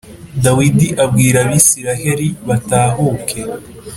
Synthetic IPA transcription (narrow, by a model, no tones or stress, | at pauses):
dawidiʔabɡiːɾaβisiɾahe̞ɾiβataːɦuːkʰe̞